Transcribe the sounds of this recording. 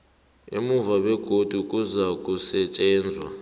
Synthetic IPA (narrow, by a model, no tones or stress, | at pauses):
ḛmuvaɓɛɡ̥ʱod̥ʱuk̬ʼuzak̬ʼusɛt͡ʃʼɛːnd͡zʱwa̰